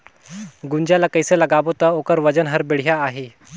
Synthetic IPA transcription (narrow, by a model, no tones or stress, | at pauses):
ɡuɲd͡ʑjalakəjseləɡaʋot̪əokəɾʋəd͡ʑənɦəɾbiɽ̤jaːɦe